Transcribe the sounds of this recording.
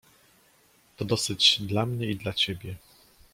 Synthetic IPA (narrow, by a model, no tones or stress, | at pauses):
t̪ɔd̪ɔsɘd͡ʑd̪lamɲɛid̪lat͡ɕɛbʲjɛ